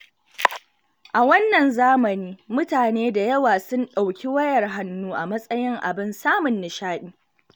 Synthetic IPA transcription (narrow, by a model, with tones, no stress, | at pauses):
ʔa˨wɐ˦nːɐ˨nzaː˦mɐ˨niː˦mʊ˦taː˨neː˦da˨jɐ˦waː˨sʊ˦nɗa˨wkʲi˦wɐ˦jɐ˨rɦa˦nːuː˦ʔa˨mɐ˦sʼɐ˦jɪ˦ŋʔa̰˨bɪ˦nsaː˦mʊ˨nːɪ˨ʃaː˦ɗiː˦